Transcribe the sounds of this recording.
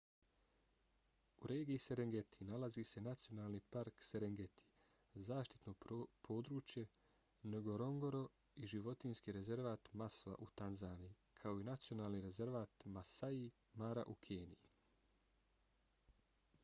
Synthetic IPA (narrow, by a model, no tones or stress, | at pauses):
uɾeːɡiise̞ɾeŋɡe̞t̪ʰinalazise̞nat̪sijo̞naːlˠnipaɾkseɾeŋɡet̪ʰi̥ | zaːʃt̪i̥t̪no̞pʰo̞ːd̪ɾuːt͡ʃje̞ | neɡo̞ɾo̞ŋɡo̞ɾo̞ | iʒiʋo̞t̪inskiɾe̞ze̞ɾʋaːt̪masʋa̰ʔut̪anzaːniji | kʰao̞inat̪sio̞naːlˠniɾe̞ze̞ɾʋaːt̪masai | maɾa̰ʔukʰeːnii